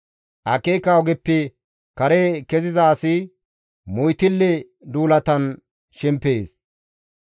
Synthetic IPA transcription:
ʔɐkːeːkːaɔɡɛpːɪ | kɐɾeːkɛzɪzɐːsɪ | mʊjt̪ɪlːɛ | d̪uːlɐt̪ɐn | ʃɪmpːeːs

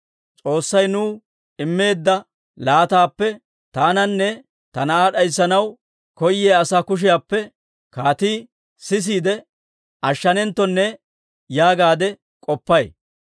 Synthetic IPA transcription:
t͡sʼo̞ːsːɐjnuː | ɪmːe̞ːd̪ːɐ | laːt̪aːpːɛ | t̪aːnɐnːɛ | t̪ɐnɐaːɗɐjsːɐnɐw | kɔjːeːɐsaːkʊʃ̬ɪjaːpːɛ | kaːt̪iː | sɪs̬iːd̪ɛ | ʔɐʃːɐnɛnt̪ːɔnːɛ | jaːɡaːd̪ɛ | kʼɔpːɐj

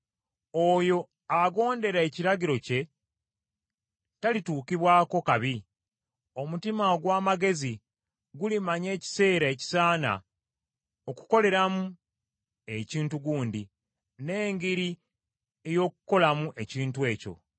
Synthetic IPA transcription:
o̞jo̞ | aɡo̞ːnde̞ɾae̞ciɾaɟiɾo̞ce̞ | talituːkiβwaːko̞kaβi | o̞mutimaɡwaːmaɡe̞zi | ɡulimaɲe̞ːci̥se̞ːɾaeci̥saːna̰ | o̞ku̥ko̞le̞ɾamu | e̞ciːntuɡuːndi | ne̞ːŋɡiɾi | ejo̞ːkuko̞lamuʔe̞ciːntwe̞ːco̞̰

